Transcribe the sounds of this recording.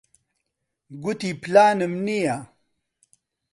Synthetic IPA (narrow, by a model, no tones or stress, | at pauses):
ɡut̪iplaːnɐmnija